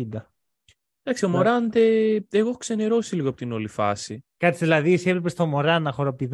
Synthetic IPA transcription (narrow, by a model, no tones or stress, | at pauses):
id̪ɐ | d̪̥ɐksio̞moɾɐnd̪eeɣo̞xkseneɾo̞siliɣoɐpot̪ino̞lifɐ̰sikɐt̪ːsiðilɐðiseplepest̪o̞mo̞ɾɐnɐxoɾopt̪ið